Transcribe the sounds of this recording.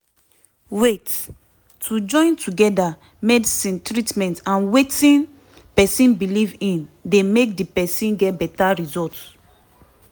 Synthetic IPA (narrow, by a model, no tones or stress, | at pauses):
wet | tʰud͡ʒɔ̃ɪ̃ntʰuɡɛda | mɛdisĩntɹitmɛ̃ntãnwetĩn | pɛsĩnbilivĩndemek̚dipɛsĩnɡɛtbɛtaɹizɔlts